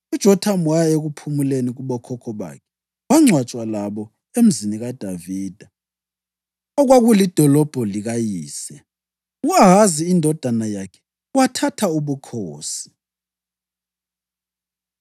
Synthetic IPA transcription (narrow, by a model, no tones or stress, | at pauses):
ud̥ʒ̥ʱɔtʰamwajeɣupʰumuleniɣuɓɔkʰɔkʰɔɓa̰kʰɛ̥ | waŋ͡ǀʱwat͡ʃʼwalaɓɔ | em̩ziniɣad̥ʱaviːd̥ʱa | ɔɣwaɣulid̥ʱɔlɔb̥ʱɔliɣajiːsɛ | aɣaziːndʱɔd̥ʱanajakʰɛ̥ | watʰatʰauβukʰoːsi̥